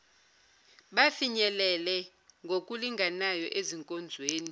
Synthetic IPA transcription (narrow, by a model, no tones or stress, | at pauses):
ɓafiɲɛlɛlɛ | ŋɡʱokʼuliŋɡʱanajɔʔeziŋkʼɔnd͡zʱweːni